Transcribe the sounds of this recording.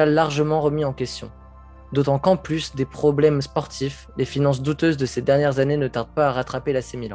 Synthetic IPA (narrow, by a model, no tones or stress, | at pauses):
alaʁʒəmɑ̃ʁəmiɑ̃kʲɛst̪jɔ̃ | d̪ot̪ɑ̃kɑ̃plysd̪epχɔblɛmspɔʁt̪ʰif | lefinɑ̃s̬d̪ut̪øzd̪əsed̪ɛʁnjɛʁzanenət̪aʁd̪̚paːʁat̪χapelasemilɑ̰̃